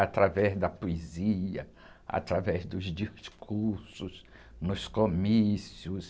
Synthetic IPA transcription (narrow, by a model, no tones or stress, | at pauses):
at̪ɾavɛzd̪ɐpoeziɐ | a̰t̪ɾavɛzd̪ʊzd͡ʒiskʰuɾsʊs | nʊskomisiʊs